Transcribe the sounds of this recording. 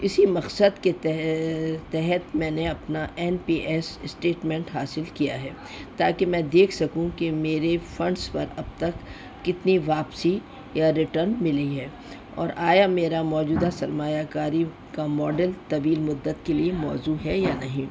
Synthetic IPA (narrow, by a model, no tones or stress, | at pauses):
ɪsimɐqsəd̪keɛ | t̪ɛɦɛt̪mɛ̃ːneɐpnaʔɛːnpiːʔɛsɪsʈeːʈmɛ̃ɳʈɦaːsɪlkijaɦɛː | t̪aːkemɛ̃ːd̪eːkʰsɐkũkemeːɾefɐ̃ɳɖspɐɾɐb̚t̪ɐkː | ɪt̪niʋaːpsi | jaɾɪʈəɾnmɪliɦɛː | ɔ̰ːɾaːjameːɾamɔːd͡ʒuːd̪asɐɾmaːjakaːɾi | kamɔːɖəlt̪ɐʋiːlmʊd̪ːət̪keliemɔːzuɦɛjanɐɦĩː